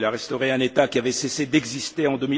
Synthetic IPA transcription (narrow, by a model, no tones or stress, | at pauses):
laʁɛst̪ɔʁeɛ̃net̪akʲiavɛsesed̪ɛɡzist̪eɑ̃d̪əmi